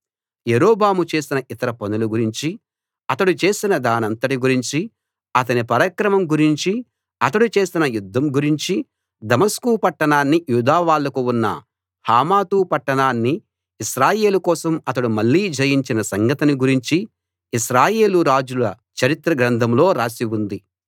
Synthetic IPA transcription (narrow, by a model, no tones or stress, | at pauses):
jeɾoːbaːmut͡ʃe̞ːsinɐʔit̪ɐɾɐponuluɡuɾiɲt͡ʃi | ɐt̪ɐɽut͡ʃe̞ːsinɐd̪aːnɐnt̪ɐʈiɡuɾiɲt͡ʃi | ɐt̪ɐnipɐɾɐkɾɐmɐmɡuɾiɲt͡ʃi | ɐt̪ɐɽut͡ʃe̞ːsinɐjud̪ʱːɐmɡuɾiɲt͡ʃi | d̪ɐmɐskuːpɐʈːɐɳaːnːijuːd̪aːʋaːɭːɐkuunːɐ̰ | haːmaːt̪uːpɐʈːɐɳaːnːiː | ʃɾaːje̞ːlukɔːsɐmɐt̪ɐɽumɐɭːiːd͡ʒɐjiɲt͡ʃinɐsɐŋɡɐt̪ɐniɡuɾiɲt͡ʃiː | ʃɾaːje̞ːluɾaːd͡ʒulɐ | t͡ʃɐɾit̪ɾɐɡɾɐnd̪ʱɐmlo̞ːɾaːsiwund̪i